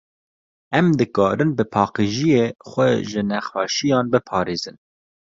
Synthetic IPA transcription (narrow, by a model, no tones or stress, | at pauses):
ɛmd̪ɨkɑːɾɨnbɨpʰɑːqeʒijeːxʷɛʒɨnɛxwɑːʃijɑːnbɨpʰɑːɾeːzɨn